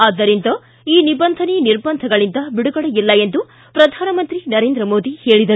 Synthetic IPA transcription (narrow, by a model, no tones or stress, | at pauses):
aːd̪ɐɾint̪ɐ | iːnibɐnd̪ʱɐniniɾbɐnd̪ʱɐɡɐɭind̪ɐbiɽuɡɐɽɐjilːɐe̞nd̪u | pɾɐd̪ʱaːnɐmɐnt̪ɾinɐɾe̞ːnd̪ɾɐmoːd̪ihe̞ːɭid̪ɐɾu